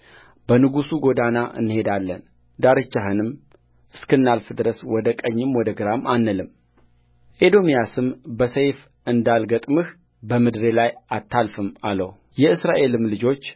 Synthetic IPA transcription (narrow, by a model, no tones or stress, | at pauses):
b̥ənɨɡusuɡo̞d̪anaʔɨ̰nːɨhe̞d̪alːən | d̪aɾɨt͡ʃːaɦɨnɨm | ɨskɨnːalfɨd̪ɨɾəswɔd̪əkʼəɲːɨmwɔd̪əɡɨɾamanːəlɨm | ʔed̪o̞mijasɨmbəsəjf | ɨnd̪alɡət̪ʼmɨh | bəmɨd̪ɾelajat̪ʰːalfɨmaləw | jɛɨsɾaʔe̞lɨmlɨd͡ʒo̞t͡ʃː